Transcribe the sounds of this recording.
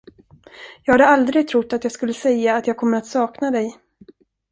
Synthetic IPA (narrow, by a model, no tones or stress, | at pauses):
jɑːɡhad̪əald̪ɾɪɡ̚t̪ʰɾʊt̪ːat̪jɑːɡskɵlːəsɛjːaːt̪jɑːɡ̚kʰɔmːəɾat̪sɑːknad̪ɛj